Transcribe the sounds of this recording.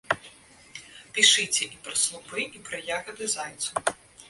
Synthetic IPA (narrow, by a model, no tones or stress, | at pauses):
pʲiʃɪt͡sʲːɐʔipɾɐslˠʊbɪipɾɪjaɣɐd̪ɪzajt̪sʊ